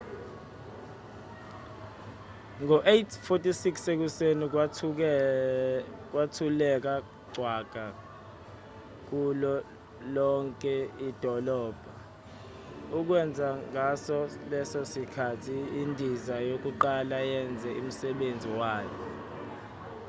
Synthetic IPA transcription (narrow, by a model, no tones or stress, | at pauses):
ŋʱɔʔetʰfotʼisiksek̬useni | k̬watʰulɛk̬a | ɡ͡ǀʱwaɡ̥ʱa | k̬ulɔ | lɔŋkʼɛid̥ʱɔlɔːb̥ʱa | uk̬wɛnd͡zʱaŋasɔlɛsɔsikʰatʰiːndʱizajok̬uǃalajɛnd͡zʱɛṵm̩sɛɓend͡zʱiwaːkɛ